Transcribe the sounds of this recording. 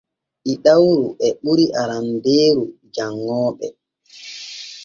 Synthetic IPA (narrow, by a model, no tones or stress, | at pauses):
ʔiɗawɾuʔɛɓuɾiʔaɾambeːɾu | d͡ʒaŋːɔːɓɛ